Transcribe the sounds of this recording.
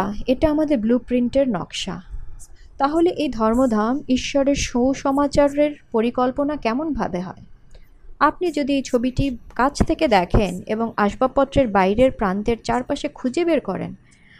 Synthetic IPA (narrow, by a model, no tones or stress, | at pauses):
eʈaamad̪eɾblupɾiɳʈeɾnɔ̰kʃa̰ | t̪aɦoleʔejd̪ʱɔɾmod̪ʱamiʃːɔɾeɾʃowʃɔmat͡ɕaɾeɾpoɾikɔlponakɛmonbʱa̰beɦɔ̰e | ap̚nid͡ʑod̪iejt͡ɕʰobiʈikat͡ɕʰt̪ʰeked̪ɛkʰenḛboŋaʃbapɔt̪ːɾeɾbajɾeɾpɾant̪eɾt͡ɕaɾpaʃekʰud͡ʑebeɾkɔɾḛn